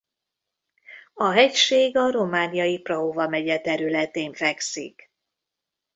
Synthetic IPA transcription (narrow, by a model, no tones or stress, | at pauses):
ɒɦɛcʃeːɡɒɾo̞maːnijɒjiprɒovɒmɛɟɛt̪ɛɾylɛt̪eːɱfɛksḭk